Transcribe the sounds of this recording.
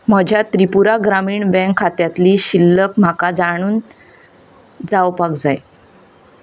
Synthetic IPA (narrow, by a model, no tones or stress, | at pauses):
m̤əd͡ʑʱjat̪ɾipuɾaɡɾamiːɳbɛ̃ŋkʰːat̪jat̪liːɕilːəkm̤akad͡zaɽ̃uːn | d͡zawpakd͡zaj